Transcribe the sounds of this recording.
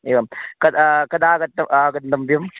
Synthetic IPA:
eːʋaːmkɐd̪kɐd̪aːɡɐt̪ːɐaːɡɐnd̪ɐmbjɐm

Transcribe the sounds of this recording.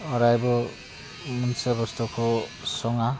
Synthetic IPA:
ɔɾajbɔ | munsabɔst̪ɔkʰo | sɔŋa

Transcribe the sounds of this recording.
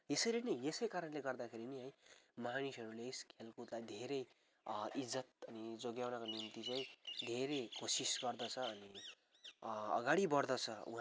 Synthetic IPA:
esʌɾinʌesʌjkaɾʌnleɡʌrd̪akʰeɾiniɦʌj̃manisʌɾuleskʰelkut̪lajd̪ʱeɾʌj | id͡zːʌt̪̚ʌnid͡zoɡjawnakonimt̪it͡sãĩd̪ʱeɾekosisɡʌrd̪ʌt͡sʰʌːni | ʌ̰ɡaɽibʌɾd̪ʌt͡sʰʌṵ̃ɦ

